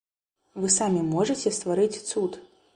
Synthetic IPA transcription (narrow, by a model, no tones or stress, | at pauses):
vɨsamʲimɔʐɨt͡sʲɛst̪vaɾɨt͡sʲt̪sut̪